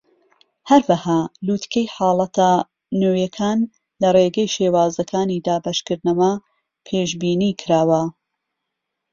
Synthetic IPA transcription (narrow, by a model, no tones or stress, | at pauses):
hɐɾwɐhaːluːt̪kʰejħɑːlˠɐt̪ʰa | noːjɐkʰaːn | lɐreːɡɐjʃeːwaːzɐkʰaːniːd̪aːbɐʃkɨɾd̪nɐwɐ | pʰeːʒbiːniːkʰɨɾaːwɐ